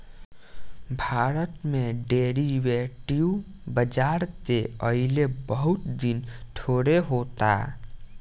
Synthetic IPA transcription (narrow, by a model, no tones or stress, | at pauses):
bʱaɾət̪meɖeɾiʋeʈiu | bəd͡ʒaɾt̪eəilebəɦut̪d̪inʈʰoɾeɦot̪a̰